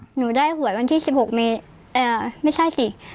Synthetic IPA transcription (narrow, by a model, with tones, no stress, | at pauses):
nuː˨˩˦daː˥˩jhu˨˩˦ət̚wa˧nt̪ʰiː˥˩si˨˩p̚ho˨˩k̚meː˧ | ʔaː˧˩ma˥˩jsʰa˥˩jsi˨˩